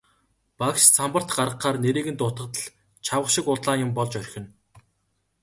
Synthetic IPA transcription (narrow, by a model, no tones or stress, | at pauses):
pakst͡sʰampə̆r̥t̪ɢaɾʁə̆qːaːrneɾeːɣɘ̆nt̪ʊt̪ə̆t̪ə̆ɮ | t͡ɕʰawə̆χʃɪ̆kʊɮɮaːnjʊ̆mpɔɮt͡ɕœrʲxʲɪ̆n